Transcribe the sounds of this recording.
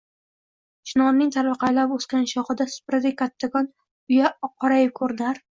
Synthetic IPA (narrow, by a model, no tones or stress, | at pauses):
ʃʰɪnɒnnɪŋt̪ʰaɾvɨqʰɑjlaposkʲanʃɒχɨd̪asʊ̥pɾad̪akʲʰːat̪ʰːakʰɒn | ʊjaqʰɒɾajɪkʰɵɾd̪ɪaɾ